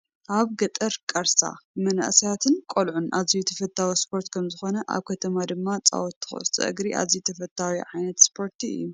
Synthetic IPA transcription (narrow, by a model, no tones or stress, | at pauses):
ʔaβɡɐt̪ʼɐɾkʼɐɾsa̰mɐnɐ̰ʔsijat̪ʰɨnkʼolʕunʔazijut̪ʰɐfɐt̪ʰːawispʰo̞ɾt̪kʰɐmzɨxo̞nɐʔa̰βkʰɐt̪ʰɐmad̪ɨmːat͡sʼa̰wot̪ːɨ̥xo̰st̪ʼɨ̰ʔɨ̰ɡɾiʔa̰zijut̪ʰɐfɐt̪ʰːawiʕajnɐt̪spʰo̞ɾt̪ʰiɨ̰jːu